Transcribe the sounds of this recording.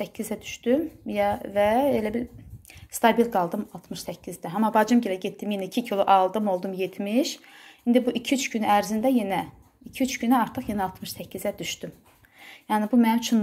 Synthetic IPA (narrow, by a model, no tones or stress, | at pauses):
æcʰːizæd̪yʃt̪ymjvæelæbiɾst̪ʰɑbilɡɑlˠd̪ɯmɑlˠt̪ʰmɯʃsæcʰːizd̪æɦɑmɑbɑd͡ʒɯmɟelæɟet̪ːimjenæicʰicʰilˠuʔɑlˠd̪ɯmo̞lˠd̪umje̞t̪ʰmiʃind̪ibuʔicʰiyt͡ʃɟynyæɾzind̪æjenæ | icʰiyt͡ʃɟynæɑɾt̪ʰɯχjenæɑlˠt̪ʰmɯʃsæcʰːizæd̪yʃt̪ym | jæːnɪbumænimt͡ʃʰun